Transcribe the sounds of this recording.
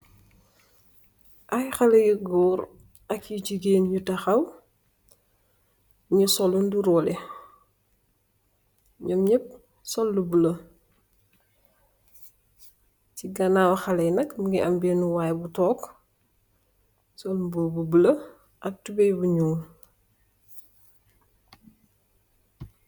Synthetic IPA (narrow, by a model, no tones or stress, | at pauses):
ʔajxɐlɐjiɡɔːɾ | ɐkjiɟiɡeːnjutɐxɐw | ɲusɔlunduɾɔlɛ | ɲɐmɲɛp̚ | sɔlːubulɐ | ciɡɐnaːwxɐlɛjnɐkmuŋɡiʔɐmbɛnuwajbutɔːk | sɔlumboːbubəlɐ | ʔɐk̚tubɛjbuɲuːn